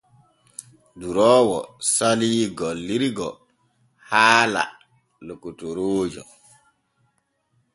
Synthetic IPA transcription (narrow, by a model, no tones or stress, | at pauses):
duɾɔːwɔsaliːɡɔlːiɾiɡɔ | haːla̰ | lokːutɔɾoːd͡ʒɔ